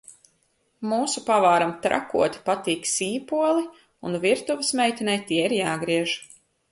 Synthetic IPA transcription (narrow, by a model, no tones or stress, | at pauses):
muːsupavaːɾamt̪ɾa̰kṵɔt̪ʲi̥pat̪iːksiːpuɔlˠi | unviɾt̪uvɨsmʲɛjt̪ʲinɛjt̪iɛiɾjaːɡɾiɛʒ